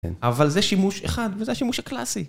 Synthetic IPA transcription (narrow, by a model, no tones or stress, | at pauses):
ḛnavalzeʃimuʃḛχad̪vezeaʃimuʃhaklasi